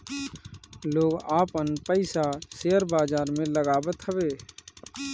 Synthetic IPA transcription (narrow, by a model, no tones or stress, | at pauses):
loːɡaːpənpəɪsaseːəɾbaːd͡ʒaːɾmẽləɡaːbət̪ɦəʋeː